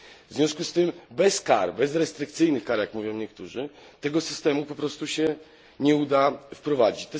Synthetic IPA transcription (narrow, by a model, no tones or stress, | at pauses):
vzvʲjɔ̃w̃skust̪ɘmbɛska̰ɾbɛzɾɛst̪ɾɘk̚t̪sɘjnɘxkaɾjakmuvʲjɔ̃w̃ɲɛk̚t̪uʐɘ | t̪ɛɡɔsɘst̪ɛmupɔpɾɔst̪uɕɛ | ɲɛud̪afpɾɔvad͡ʑit͡ɕt̪ɛ